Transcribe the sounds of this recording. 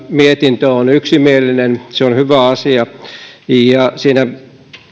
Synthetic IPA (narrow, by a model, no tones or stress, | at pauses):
miet̪int̪øonyksimielːˑinenseonhyʋæɑsiɑ | jɑsiːnæ